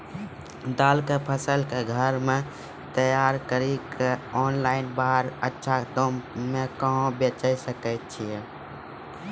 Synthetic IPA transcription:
d̪alkepʰəsəlkeɡʱəɾme | t̪əjaɾkəɾikeɔnlaɪnbaɦɾətːʃʰad̪ommekəɦõbet͡ʃəjsəkət̪̚t͡ʃʰije

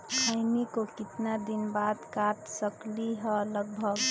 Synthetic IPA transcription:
kʰaɪnikokɪt̪nad̪inbaːd̪kaʈ̪səkliɦɛləɡ̚bʱəɡ

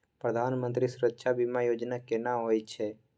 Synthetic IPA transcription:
pɾəd̪ʱaːnmə̃nt̪ɾisʊɾəkʃʰabʱimãjoːd͡ʒnakenaɦojt͡ʃʰe

